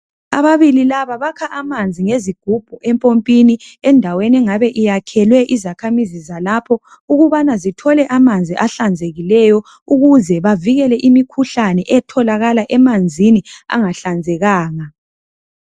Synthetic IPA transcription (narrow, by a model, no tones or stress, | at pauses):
aβaβililaβaβakʰaʔamand͡zʱiŋeziɡ̥̚ʱub̥ʱɔʔɛmpʼompʼiniɛndʱawenɛŋaβɛʔijakʰɛlwɛʔizakʰamizizalapʰɔ | uɣuβanazitʰɔlɛʔamand͡zʱiʔaɬand͡zʱeɣilɛjɔ | uɣuzɛβaviɣɛlɛʔimikʰuɬanɛʔɛtʰɔlaɣalaʔɛmand͡zʱinia̰ŋaɬand͡zʱɛɣaːŋa